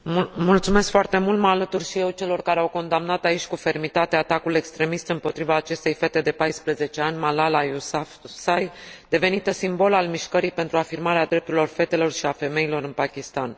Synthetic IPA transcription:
mult̪sume̞skfoart̪e̞mult̪maːlət̪urʃije̞wt͡ʃe̞lo̞rkaɾeawko̞nd̪amnat̪ait͡ʃʲkufe̞rmit̪at̪eat̪akule̞kst̪ɾe̞mist̪ɨmpo̞t̪ɾivaːt͡ʃe̞st̪e̞jfe̞t̪e̞d̪e̞pajspɾəze̞t͡ʃe̞anʲmalalajusa | sajd̪e̞ve̞nit̪əsimbo̞lalmiʃkəɾijpe̞nt̪ɾuafirmaɾead̪ɾe̞p̚t̪uɾilo̞rfe̞t̪e̞lo̞rʃiafe̞me̞ilo̞ɾɨnpakʲist̪an

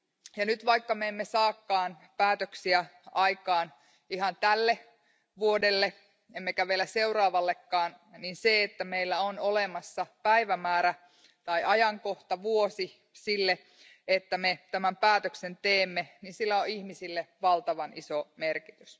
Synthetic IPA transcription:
jɑnyt̪ʋɑikːɑmeemːesɑːkːɑːn | pæːt̪øksiæɑikɑːn | ihɑnt̪ælːe | ʋuodelːe | emːekæʋelːˑæseurɑːʋɑlːekːɑːn | ninseet̪ːæmeilːæonolemɑsːɑpæiʋæmæːɾæ | t̪ɑiʔɑjɑŋkoht̪ɑʋuosi | silːe | et̪ːæmet̪æmæmpæːt̪øksent̪eːmːeninsilːæoihmisilːeʋɑlt̪ɑʋɑnisomerkit̪ys

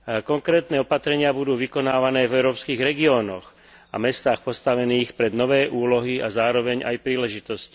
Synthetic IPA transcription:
kɔŋkɾɛːt̪nɛːɔpat̪ɾɛɲɪabud̪uːʋikɔnaːʋanɛːvɛʊɾɔːpskiːɣɾɛɡiɔːnɔ̰x | a̰mɛst̪aːxpɔst̪aʋɛniːxpɾɛd̪nɔʋɛːʔuːlɔɦiazaːɾɔʋɛɲa̰jpɾiːlɛʒit̪ɔsci̥

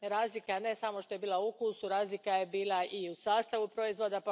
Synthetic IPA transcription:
ɾaːzlikane̞samo̞ʃt̪o̞je̞biːlˠauukuːsuɾaːzlikaje̞biːlˠaʔiusaːst̪aʋupɾo̞izʋo̞d̪ap

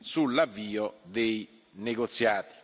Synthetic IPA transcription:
sulːavːiːɔd̪ej | neɡot̪sːjaːt̪i̥

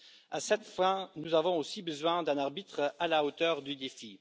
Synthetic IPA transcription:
asɛt̪fɛ̃nuzavɔ̃osibəzwɛ̃d̪ɛ̃naʁbit̪χalaot̪œːʁd̪yd̪efi

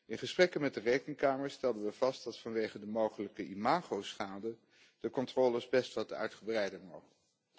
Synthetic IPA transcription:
ɪnχəsprɛkənmɛt̚dərejkəŋkaːməɹstɛlˠdənʋəv̥ɑst̚dɑtfɑnʋejχədəmowχələkəʔimaːχowsχaːdə | d̥əkɔntrɔːləɹsbɛstʋɑtəœ̰ɥtχəbrɛjdəmowχəə

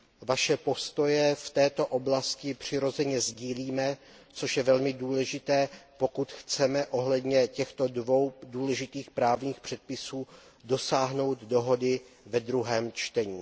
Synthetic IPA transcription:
vaʃɛpo̞st̪o̞jɛft̪ɛːt̪o̞ʔoblascɪpr̝̥ɪɾo̞zɛɲɛzɟiːliːmɛ | t͡so̞ʃjɛvɛlmɪduːlɛʒɪt̪ɛːpo̞kut̪xt͡sɛmɛʔo̞ɦlɛd̪ɲɛcɛxt̪o̞dvo̞wduːlɛʒɪt̪iːxpɾaːvɲiːxpr̝̥ɛt̪̚pɪsuː | do̞saːɦno̞wd̪do̞ɦo̞dɪvɛd̪ɾuɦɛːmt͡ʃt̪ɛɲiː

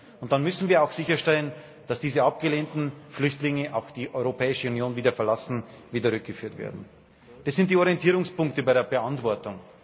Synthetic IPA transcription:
ʊnt̚d̥anmʏsn̩viːɐaʊxz̥ɪçɐʃtɛlən | d̥asd̥iːzəap̚ɡ̥əleːntn̩flʏçtlɪŋəʔaʊxd̥iːʔɔʏʁopʰɛːɪʃəunjoːnviːdɐfɛɐlasn̩viːdəʁʏk̚ɡ̥əfyːɐtv̥ḛːɐdn̩ | d̥asz̥ɪntd̥iːɔɐʁiɛntʰiːʁʊŋspʊŋktəbaɪɾeːɐbəʔantv̥ɔɐtʊŋ

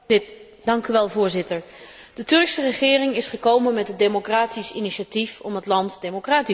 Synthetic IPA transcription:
dɑŋkyʋɛlˠvʊːɹzɪtəɹ | d̥ətɵɹksərəχɪːrɪŋɪsχəkowmənmɛtɦəd̚emokraːtisiniʃatifɔmɦətlɑntdemokraːti

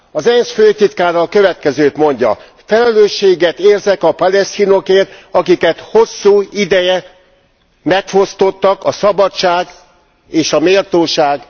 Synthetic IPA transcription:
ɒzɛnsføːt̪it̪kaːɾɒlkøvɛt̪kɛzøːt̪mo̞ɲɟɒ̰ | fɛlɛløːʃːeːɡɛt̪eːrzɛkɒpɒlɛst̪ino̞keːrt̪ɒkikɛt̪ho̞sːuːid̪ɛjɛ | mɛkho̞st̪o̞t̪ːɒkɒsɒbɒt͡ʃaːɡ | eːʃɒmeːlt̪oːʃaːɡ

